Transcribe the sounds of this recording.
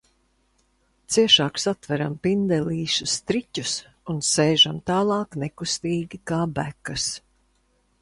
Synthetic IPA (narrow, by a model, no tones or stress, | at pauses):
t̪siɛʃaːksat̪væɾampind̪ɛliːʃust̪ɾicʲus | unseːʒamt̪aːlˠɑːknekust̪iːɡʲikaːbækːɐs